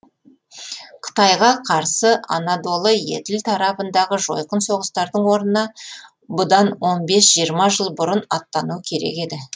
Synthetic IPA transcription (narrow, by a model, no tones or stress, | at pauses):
qʰə̥t̪ɑjʁɑqʰɑɾsəʔɑ̰nɑd̪o̞lˠəje̞̰d̪ɪlt̪ʰɑɾɑpənd̪ɑʁəʒo̞̰jqənso̞ʁəst̪ɑɾd̪əɴwo̞ɾnənɑ | bʊd̪ɑnwo̞nbe̞sʒ̥ijəɾmɑʒəlˠbʊɾənɑt̪ːɑnukʲʰe̞ɾe̞̰ke̞d̪ɪ